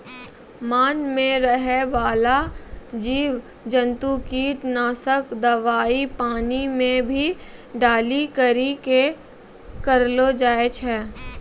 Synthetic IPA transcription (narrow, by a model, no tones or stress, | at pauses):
maːnmẽɾəɦebaːlad͡ʒiːʋ | d͡ʒə̃nt̪ukiːʈnaːsəkd̪ɐʋaːipaːnimẽbʱiɖaːlikəɾike | kəɾlod͡ʒaːet͡ʃʰɛː